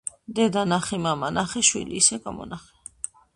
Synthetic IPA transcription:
d̪ɛd̪anaχɛmamanaχɛʃwḭliːsɛɡamɔ̰naχɛ

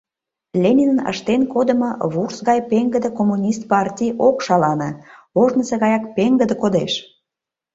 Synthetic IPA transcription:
lʲenʲinənə̰ʃt̪enkod̪ə̆moβursɣɑjpeŋɡəd̪ə̆komunʲist̪̚pɑrtʲijokʃɑlɑnə̆oʒnəseɣɑjɑkpeŋɡəd̪ə̆kod̪eʃ

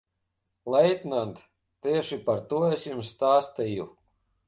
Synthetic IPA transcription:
lˠɛjt̪nant̪ | t̪iɛʃipaɾt̪uɔesʲjumsːt̪aːst̪iju

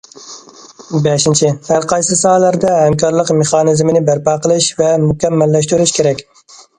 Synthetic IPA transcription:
bɛʃint͡ʃʰɪhæɾqʰɑjsɨsɑːlæɾd̪ɛhɛmkɑɾlˠəqmeχɑːnɨzmɪnɪbæɾpɑqəlˠɨʃvɛmukʲɛmːælːæʃt̪uɾɪʃkʲʰeɾɛkʲ

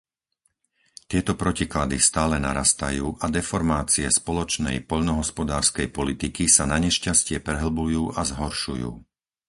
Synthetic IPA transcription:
t̪ɪɛt̪ɔpɾɔciklad̪ist̪aːlɛna̰ɾast̪ajuːʔad̪ɛfɔɾmaːt͡siɛspɔlɔt͡ʃnɛ̰jpɔʎnɔɦɔspɔd̪aːɾskɛjpɔlit̪ikisanaɲɛʃcascɪɛpɾɛɦl̩bujuːʔazɦɔɾʃujṵː

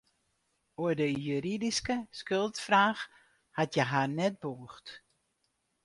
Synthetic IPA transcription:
oədəjyɾidiskəskølˠtfraːx | hatjəɦarnɛt̚boəxt

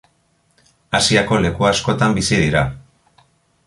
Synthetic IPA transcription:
asiako̞le̞kuasko̞t̪ambisiðiɾa

